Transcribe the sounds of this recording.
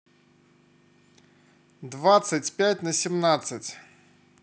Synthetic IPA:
d̪vat̪sɨtʲpʲætʲnəsʲɪmnat̪sɨtʲ

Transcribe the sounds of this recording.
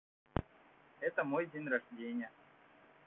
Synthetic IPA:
ɛt̪əmojdʲenʲrɐʐdʲenʲɪjə

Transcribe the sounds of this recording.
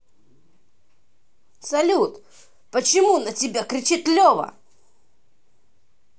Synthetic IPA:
sɐlʲut̪ | pət͡ɕɪmunətʲɪbʲakɾʲɪt͡ɕit̪lʲɔvɐ̰

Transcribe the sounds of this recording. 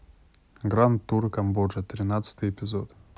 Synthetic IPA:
ɡɾant̪ːurkɐmboʐət̪ɾʲɪnat̪sɨ̥t̪ɨjɪpʲɪzot̪

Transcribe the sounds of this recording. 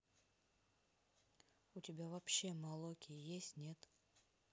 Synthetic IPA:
ʊtʲɪbʲavɐpɕːe̞mɐlˠokʲɪjesʲtʲnʲe̞t̪

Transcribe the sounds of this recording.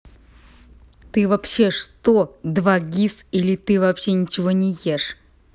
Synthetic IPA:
t̪ɨvɐpɕːe̞ʂt̪od̪vaɡʲisilʲɪt̪ɨvɐpɕːe̞nʲɪt͡ɕɪvo̞nʲɪjeʂ

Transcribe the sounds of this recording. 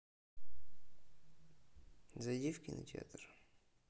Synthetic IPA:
zɐjdʲifkʲɪnɐ̰tʲa̰t̪r

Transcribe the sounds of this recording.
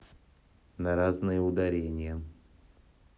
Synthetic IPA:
nɐɾaznɨjəʊd̪ɐɾʲenʲɪjə

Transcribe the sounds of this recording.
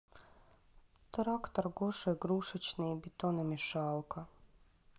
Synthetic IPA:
t̪ɾakt̪aɾɡoʃɔjɡɾuʃɪt͡ɕniibit̪onɛmiʃalˠkʰa

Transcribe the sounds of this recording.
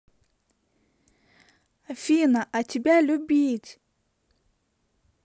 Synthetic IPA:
afiːnaʔatʲibʲɛlʲobʲitʲ

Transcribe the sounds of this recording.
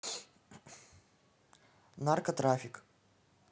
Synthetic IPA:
narkɐt̪ɾafʲɪk

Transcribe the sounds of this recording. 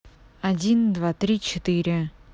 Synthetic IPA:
ɐdʲind̪vat̪ɾʲit͡ɕɪt̪ɨɾʲɪ

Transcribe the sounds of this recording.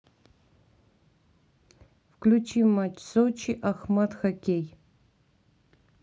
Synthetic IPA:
fklʲut͡ʃʰimat͡ʃsot͡ʃʰiʔaxmat̪xɐkʲej

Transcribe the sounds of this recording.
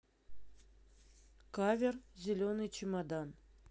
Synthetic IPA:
kavʲerzʲilʲonɨjt͡ɕʰimɑd̪ɑn

